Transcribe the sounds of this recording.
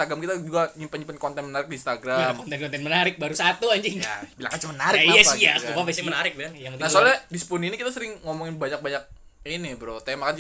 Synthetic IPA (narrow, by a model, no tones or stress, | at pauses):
aɡɾamkit̪ad͡ʒuɡaɲimpəɲimpənkɔnt̪ɛnmənaɾɪk̚diːnst̪aɡɾalmkɔnt̪ɛnkɔnt̪ɛnmənaɾɪk̚baɾusat̪uaɲd͡ʒiɲ̰bilaŋkat͡ʃumənaɾɪkijasiaupabɛsmənaɾɪk̚bilaŋjaŋt̪nasolɛdisə̥puninikit̪asəɾɪŋŋomɔŋɪnbaɲak̚baɲak̚ | inibəɾot̪aamakan